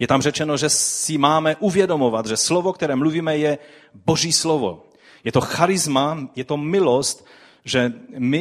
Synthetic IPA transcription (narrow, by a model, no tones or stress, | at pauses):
jɛt̪amr̝ɛt͡ʃɛnoʒɛsɪmaːmɛʔuvjɛdo̞movat̪ʒɛslovokt̪ɛɾɛːmluviːmɛjɛ | bo̞ʒiːslovo̰ | jɛt̪o̞xaɾɪzmajɛt̪omɪlost̪ | ʒɛmɪ